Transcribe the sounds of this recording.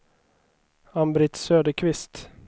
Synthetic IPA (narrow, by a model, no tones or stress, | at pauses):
ambɾɪt̪søːd̪əkʰvɪst̪